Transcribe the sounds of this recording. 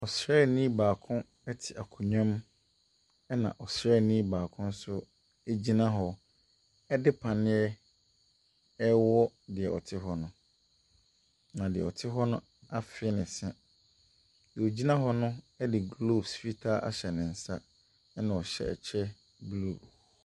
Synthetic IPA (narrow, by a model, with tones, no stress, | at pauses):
ɔ˨sɾɛ˦˨nĩ˦baː˨kʰʊ̃˦ | ɛ˦tʰɪ̥˨a˨kʰu˨ɲᶣɛ̃˦m | ɛ˦nã̰˨ʔɔ˨sɾɛ˦˨nĩː˦baː˨kʰʊ̃˦n̩˦sʊ˦ | e˦d͡ʑi˦nã˦ɦɔ˦ | ɛ˦dɪ˦pʰã˨nɪ̃˦ɛ˦ | ɛ˦wɔ˦dɪ˨ɛ˨ɔ̰˨tʰɪ˦ɦɔ˦nʊ̃˦ | nã˨dɪ˨ɛ̰˨ɔ˨tʰɪ˦ɦɔ˦nʊ̃˦ | a˦fɪ˦nɪ̃˨sɪ̃˦ | dɪ˨o˨d͡ʑi˦nã˦ɦɔ˦nʊ̃˦ | ɛ˦dɪ˨ɡlo˦˨bsfi˦tʰaː˦ʔa̰˦ɕɛ˨nɪ̃˨n̩˨sa̰˦ | ɛ˦nã˨ɔ˨ɕɛ̰˦ɛ̰˨t͡ɕʰɛ˦ | blu˦ɾu˨